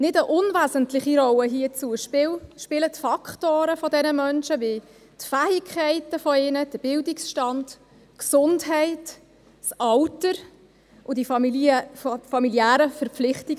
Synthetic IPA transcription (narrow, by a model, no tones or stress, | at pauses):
nɪdəʔʊnvæːzəntlɪχiɾɔwəɦiət͡suəʃpɪwʃpɪlətfɑkχtoːɾəfɔdɛnəmœnʃəvi | tfæːikʰχɛɪtəfɔɪːnəd̥əb̥ɪldiksʃtɑnd̥ | ksʊndɦɛɪt | sɑwtəɾ | ʔʊdif | fɑmiljæːɾəfəɾpp͡flɪχtiɡ